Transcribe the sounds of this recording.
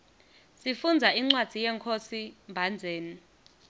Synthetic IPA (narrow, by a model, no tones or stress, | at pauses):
sifund͡zʱaiŋ͡ǀwad̥ʱijɛːŋkʰosimbʱand͡zʱeːni